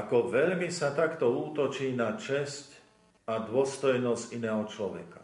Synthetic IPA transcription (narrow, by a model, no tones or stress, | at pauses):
akɔʋɛʎmisat̪akt̪ɔuːt̪ɔt͡ʃiːnat͡ʃɛsc | ad̪ʊɔst̪ɔjnɔscinɛːɦɔt͡ʃlɔʋɛ̰kḁ